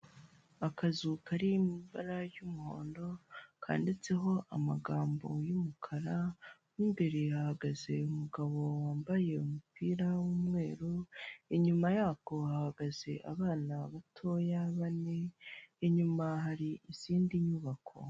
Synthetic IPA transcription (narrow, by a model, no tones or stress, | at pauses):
akazukaɾimiba̰ɾajumuho̞̰ːndo̞kʰa̰ːndit͡se̞ɦo̞ʔamaɡaːmbo̞jumukʰaɾawiːmbeɾihahaɡaze̞umuɡaβo̞waːmbaje̞umupʰiːɾawumŋe̞ːɾuiɲumajaːko̞hahaɡaz̥e̞ʔaβaːnaβatʰojaβaneːɲumaɦaɾiiz̥iːndiɲuβakʰo̞̰